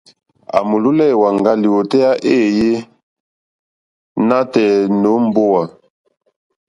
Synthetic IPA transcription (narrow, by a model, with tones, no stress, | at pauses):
a̰˨mu˨lu˦lɛ˦˨wa˨ŋɡa˦li˨wo˨tɛ˦ja˦ʔeː˦˨je˦ | na˦tɛ˨no˨˦m̩˦bo˦wa˨